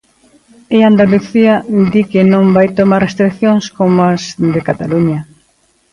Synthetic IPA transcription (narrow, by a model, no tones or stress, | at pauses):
eand̪aluθiɐd̪ikɪnõŋbajt̪omarrest̪ɾikθjõŋskomɐzd̪ɪkat̪aluɲɐ